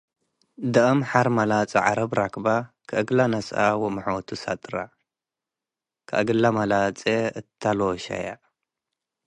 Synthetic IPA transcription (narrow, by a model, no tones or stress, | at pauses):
d̪ɐʔɨmħaɾmɐlat͡sʼɐʕa̰ɾɐbɾakʰba | kʰɨʔɨɡlanɐsʔa̰wɔmɨħwt̪ʰusa̰t̪ʼɾa̰ | kʰɨʔɨɡɨlamɐlat͡sʼeɨt̪ʰːaloʃa̰ja̰